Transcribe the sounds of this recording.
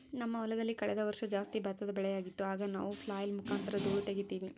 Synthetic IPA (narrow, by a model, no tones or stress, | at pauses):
nɐmːɐʋɔlɐd̪ɐlːikɐɭɛd̪ɐʋɐɾʂɐd͡ʒaːst̪ibɐt̪ːɐd̪ɐbɛɭɛjaːɡit̪ːuaːɡɐna̰ːʋupʰlaːjɐlmukʰaːnt̪ɐɾɐd͡ʒ̪uːɽut̪eɡet̪ːiːʋi